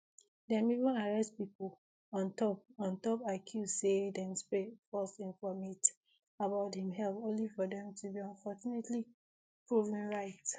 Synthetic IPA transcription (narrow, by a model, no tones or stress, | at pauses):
dɛ̃mivũnaɹɛstpipo | ɔ̃ntɔpɔ̃ntɔpakʰusedɛ̃mspɹefɔsĩnfɔmit | abaʊthĩmɦɛlpõnlifɔdɛ̃mtʰubiɔ̃nfɔt͡ʃunetʰli | pɹuvɛ̃nɹaɪt